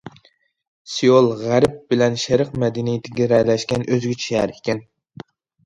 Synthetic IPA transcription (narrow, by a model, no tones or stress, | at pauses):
sijolˠʁæɾɪp̚b̥ɪlɛnʃɛɾəqmɛd̪ɪnijt̪ʰɪɡʲɛɾɛlɛʃkʲɛnʔøzɡʲit͡ʃʰiæɾikʲʰɛn